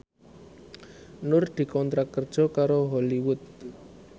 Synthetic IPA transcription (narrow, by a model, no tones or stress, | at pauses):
nʊrd̪̥i̤kɔnt̪ɾakər̥ʒ̥ɔ̤kaɾoɦɔliwʊt̪̚